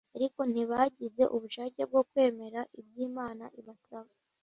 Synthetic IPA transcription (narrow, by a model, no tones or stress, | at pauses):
aɾiko̞n̥iβaɟize̞̰ʔuβuʃaːceb̚ɡo̞kwe̞ːme̞ɾaʔibɟiːmaːna̰ʔiβasaβa